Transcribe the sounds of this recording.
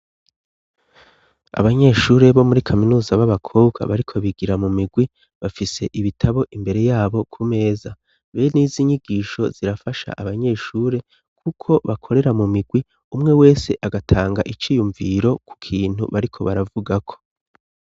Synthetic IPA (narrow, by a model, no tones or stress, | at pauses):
a̰βaɲe̞ːʃuːɾe̞βo̞muɾikʰaminuːzaβaβakʰoːbɡa̰βaɾikʰo̞βiɡiɾamumiɡwi | βafise̞ʔiβitʰaβo̞ʔimbe̞ɾe̞jaːβo̞kʰume̞ːza | βeniːziɲiɡiːʃo̞z̥iɾafaʃa̰ʔaβaɲe̞ːʃuːɾe̞ | kʰukʰo̞βakʰo̞ɾe̞ɾamumiɡwi | umŋe̞we̞ːse̞ʔaɡatʰaːŋɡaʔit͡ʃiːjuɱviɾo̞kʰu̥kʰiːn̥hṵβaɾikʰo̞βaɾavuɡakʰo̞̥